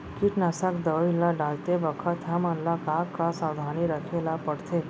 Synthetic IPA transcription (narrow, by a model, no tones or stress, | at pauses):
kiʈnasakd̪əʋilːaɖaːlt̪ebəkʰət̪ɦɐmənlakakːasaːwd̪ʱaːniɾəkʰelapəɽt̪ʰe